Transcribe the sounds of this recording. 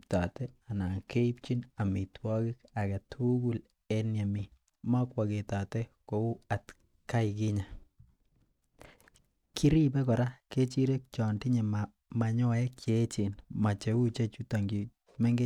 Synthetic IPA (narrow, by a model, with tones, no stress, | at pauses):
ta˨tɛ˦a˨na˨ke˦i˦p̚t͡ʃi˦na˨mi˨twɔ˦ki˦ka˨ka˨tʰu˦ɡu˦l | e˦nja˨mi˨ | ma˦kwa˨ke˨ta˨teko˦u˦a˨t | ka˦ik̬i˦ɲa˨ | kʰi˦ɾi˦pɛ˦kɔ˨ɾa˦ke˦t͡ʃi˦ɾe˦k̚t͡ʃɔ˨ndi˦ɲe˨m | ma˨ɲɔ˦jɛ˦ke˦t͡ʃi˨nma˨t͡ʃe˨u˦t͡ʃe˦t͡ʃu˦ta˨ŋɡi˨ | me˦ŋɡe˦